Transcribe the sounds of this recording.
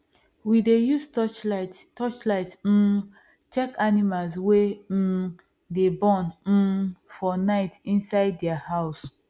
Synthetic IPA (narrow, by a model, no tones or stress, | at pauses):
widejuztɔt͡ʃattɔt͡ʃlaɪt̩ | t͡ʃɛkʰanimalswe | debɔ̃n̩ | fɔnaɪtĩnsaɪdːɛahaʊs